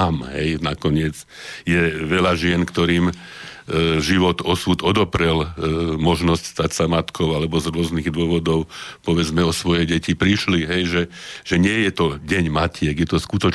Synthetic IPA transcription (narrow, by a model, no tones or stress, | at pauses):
mɦɛjnakɔɲɪɛd͡z | jɛʋɛʎaʒɪɛnkt̪ɔɾiːm | ʒiʋɔt̪ɔsuːd̪ɔd̪ɔpɾɛlmɔʒnɔscst̪acsamat̪kʰɔʊalɛbɔzɾʊɔzniɣd̪ʊɔʋɔd̪ɔʊpɔʋɛd͡zmɛɔsʋɔjɛɟɛcipɾiʃliɦɛjʒɛʒ̥ɛɲɪɛjɛt̪ɔɟɛɲmacɪɛɡjɛt̪ɔskut̪ɔ